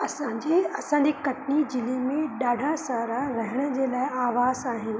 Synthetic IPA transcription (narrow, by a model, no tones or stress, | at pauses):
ɐsãːɲd͡ʑeɐsãɲd͡ʑeːkɐʈnid͡ʑɪlemẽɗaːɖʱasaːɾaɾɐɦɪɽ̃ə̆d͡ʑeːlaːɪaːʋaːzaːɦɪnɪ̆